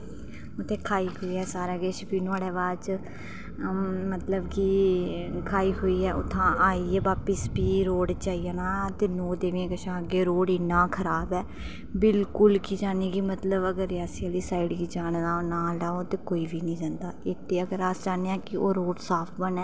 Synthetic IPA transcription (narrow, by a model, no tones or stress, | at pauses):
ʊt̪ʰːẽːkʰaːiːɦoːiːɛːsaːɾaɡeːʃəpiːnaːɽɛːʋaːt͡ʃ | mət̪ləbki | kʰaːiːɦoːiːɛːʔʊ̰t̪ʰːãːʔaːiːɛːʋaːpəsbiːɾoːɽt͡ʃaːiːaːnãːt̪eːnoːd̪eːʋẽːkəʃãːəɡeːɾoːɽɪnãːkʰəɾaːbɛː | bɪlkʊlkiːd͡ʒaːniːɡimət̪ləbəɡəɾaːsiəːliːsaːiɖɡiːd͡ʒaːnd̪aːnaːlaːoːt̪eːkoːiːʋiːnĩːd͡ʒãːnd̪aːɪt̪ʰːeːəɡəɾaːsd͡ʒaːneːãːkɪoːɾoːɽsaːpʰbənɛː